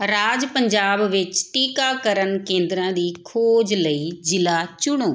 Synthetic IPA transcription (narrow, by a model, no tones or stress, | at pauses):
ɾaːd͡ʒpəɲd͡ʒaːbʋɪt͡ʃʈiːkaːkəɾənkẽːnd̪ɾãːd̪iːkʰoːd͡ʒləiːd͡ʒɪlaːt͡ʃʊɽ̃oː